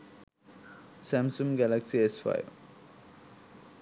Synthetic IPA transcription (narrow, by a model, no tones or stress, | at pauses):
sæmsumɡælaksiesfa̰jʋ